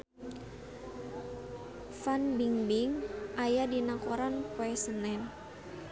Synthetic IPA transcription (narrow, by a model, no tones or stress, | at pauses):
fanbiŋbiŋʔajadinakoɾankoɛsənɛn